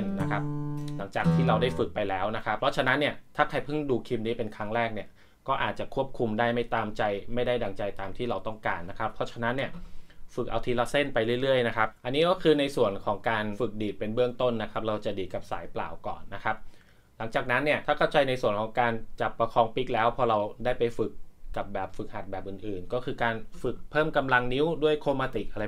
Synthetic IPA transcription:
nːa˦˥kʰa˦˥p̚la˩˦ŋt͡ɕaː˨˩k̚t̪ʰiː˥˩ɾa˧wdaː˥˩jfɯ˨˩k̚pa˧jlɛː˦˥wna˦˥kʰa˦˥p̚ʰɾɔ˦˥t͡ɕʰa˧na˦˥nːi˥˩ɐt̪ʰaː˥˩kʰa˧jpʰɯ˥˩ŋduː˧kʰi˧mniː˦˥pe˧nkʰɾa˦˥ŋɾɛː˥˩k̚ni˥˩ɐ | kɔː˥˩ʔaː˨˩t̪̚t͡ɕa˨˩kʰu˥˩əp̚kʰu˧mdaː˥˩jma˥˩jt̪aː˧mt͡ɕa˧jma˥˩jda˥˩jda˧ŋt͡ɕa˧jt̪aː˧mt̪ʰiː˥˩ɾa˧wt̪ɔ˥˩ŋkaː˧nːa˦˥kʰa˦˥pʰːɔ˦˥t͡ɕʰa˧na˦˥nːi˥˩ɐfɯ˨˩k̚ʔa̰˧wt̪ʰiː˧la˧˥se˥˩npa˧jɾɯ˥˩jɾɯ˥˩əjna˦˥kʰa˦˥p̚ʔa˧nːiː˦˥kɔː˥˩kʰɯː˧na˧jsu˨˩ənkʰɔː˩˦ŋkaː˧nfɯ˨˩k̚diː˨˩t̪̚pe˧nbɯ˥˩əŋt̪o˥˩nːa˦˥kʰa˦˥p̚ɾa˧wt͡ɕa˨˩diː˧ka˨˩p̚saː˨˩˦jpla̰ː˨˩wkɔ̰ː˨˩nːa˦˥kʰa˦˥p̚ | la˩˦ŋt͡ɕaː˨˩k̚na˦˥nːi˥˩ət̪ʰaː˥˩kʰa˥˩wt͡ɕa˧jna˧jsu˨˩ənkʰɔː˩˦ŋkaː˧nt͡ɕa˨˩pːa˧kʰɔː˧ŋpi˦˥k̚lɛː˦˥wpʰɔ˧ɾa˧wdaː˥˩jpa˧jfɯ˨˩kːa˨˩p̚bɛː˨˩p̚fɯ˨˩k̚ha˨˩t̪̚bɛː˨˩p̚ʔɯː˨˩nʔɯː˨˩nkɔː˥˩kʰɯː˧kaː˧nfɯ˨˩k̚pʰɤː˥˩mka˧mla˧ŋni˦˥wdu˥˩əjkʰoː˧maː˧t̪i˨˩ʔa˧ɾa˧j

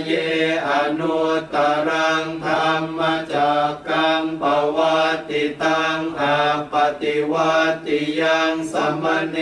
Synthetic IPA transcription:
je˦a˨nu˧t̪a˧ɾa˦ŋt̪ʰa˧ŋma˧t͡ɕa˨˩ka˧ŋpa˧wa˧t̪i˧t̪a˦ŋʔa˧pa˧t̪i˧wa˦˧t̪i˧˨ja˧ŋsa˧ma˦ne

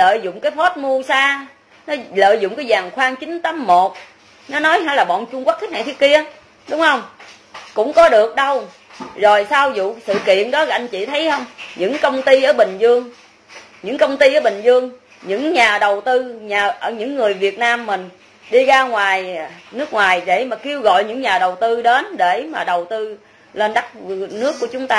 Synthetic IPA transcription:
lə̰ː˧˨jzʊ̰˧˨ŋ͡mkaː˨˦jfo˦˥t̚mu˧əsaː˧ | nɔ˨˦lə̰ː˧˨jzʊ̰˧˨ŋ͡mkaː˨˦jzaː˨˩ŋxwaː˧ŋt͡ɕï˨˦ŋ̟t̪ə˨˦mːo˨˩t̚ | nɔ˨˦nɔ˨˦jhaː˧˩jlaː˨˩ɓɔ̰˧˨nt͡ɕʊ˧ŋ͡mkw̚t̪ʰk̚na˨˩t̪ʰi˦˥əki˧ə | ɗʊ˨˦ŋ͡mhə˧wŋ͡m | kʊ̰˧˥ŋ͡mkɔ˨˦ɗɨ˨˩ək̚ɗə˧w | zo˨˩jsaː˧wzṵ˧˨sɨ̰˧˨kḭ˧˨ənɗɔ̰˨˦˧a˧ŋ̟t͡ɕḭ˧˨t̪ʰə˨˦jhə˧wŋ͡mɲɨ̰˧˥ŋkə˧wŋ͡mt̪i˧ʔəː˧˩ɓï˨˩ŋ̟zɨ˧əŋ | ɲɨ̰˧˥ŋkə˧wŋ͡mt̪i˧ʔəː˨˩˦ɓï˨˩ŋ̟zɨ˧əŋ | ɲɨ̰˧˥ŋɲaː˨˩ɗə˨˩wt̪ɨ˧ɲaː˨˩ʔəː˧˩ɲɨ̰˧˥ŋːɨ˨˩əjvi˨˩ət̚naː˧mːï˨˩ŋ̟ | ɗi˧ɣaː˧ŋwaː˨˩jnɨ˦˥ək̚ŋwaː˨˩jɗe˧˩maː˨˩ki˧əwɣɔ̰˧˨jɲɨ̰˧˥ŋɲaː˨˩ɗə˨˩wt̪ɨ˧ɗe˨˦nɗe˧˩maː˨˩ɗə˨˩wt̪ɨ˧ | le˧nɗa˦˥k̚nɨ˦˥əkːu˧˩ət͡ɕʊ˨˦ŋ͡mt̪aː˧

